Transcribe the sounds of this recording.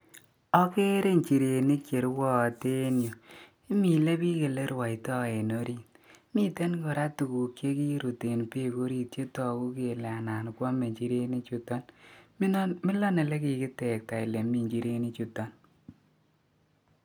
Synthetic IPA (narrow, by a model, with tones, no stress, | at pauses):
ɔ˦ke˦ɾe˦ɲt͡ʃi˨ɾe˨ni˦t͡ʃe˨ɾwɔ˦˨te˦njo˨ | ɪ˦mi˨le˦pi˦ke˨le˦ɾwa˨i˨tɔ˦e˨no˦ɾi˦˨t̚mi˦te˦nkɔ˨ɾa˦tu˨ku˨kje˦ki˦ɾu˨te˨npe˦˨ko˦ɾi˦tjo˦tɔ˨ku˦ke˨la˨na˨nkwɔ˦me˨ɲt͡ʃi˦ɾe˦ni˦t͡ʃu˨tɔ˦n˦ | mɪ˦lɔ˦ne˨le˦ki˨kɪ˦te˨k̚ta˨ɪ˨le˨mi˨ɲt͡ʃi˨˦ɾe˦ni˦t͡ʃu˨tɔ˦n